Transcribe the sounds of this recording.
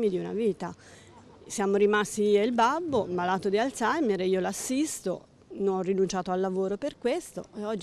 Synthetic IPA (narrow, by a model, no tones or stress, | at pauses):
mid̪iuna̰viːt̪a | sjaːmoɾimast̪iieilbabːobalaːt̪od̪ialt̪sameɾeiːolasːist̪o̰ | nonɔrːinunt͡ʃaːt̪oalːavoːɾoperkwest̪o̰eɔd͡ʒː